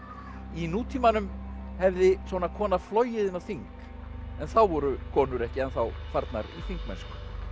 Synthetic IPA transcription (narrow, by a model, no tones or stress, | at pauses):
inuːt̪ʰiːmanʏmhɛvðɪsvɔnakʰɔːnaflɔːɥjɪðɪnːaθiŋk | ɛnθawvɔɾʏkʰɔːnʏɾɛhcɪɛnθawfaɾt̪naɾḭθiŋkmɛ̰nskʏ̥